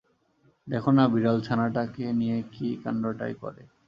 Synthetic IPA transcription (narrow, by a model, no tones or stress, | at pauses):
d̪ɛkʰonabiɾalt͡ɕʰanaʈakenijekika̰ɳɖɾoʈa̰jkɔ̰ɾḛ